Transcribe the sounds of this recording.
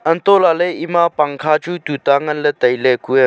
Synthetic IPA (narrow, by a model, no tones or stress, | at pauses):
ənt̪olaləimapaŋkʰat͡ʃut̪ut̪aŋɐnlət̪əjlekue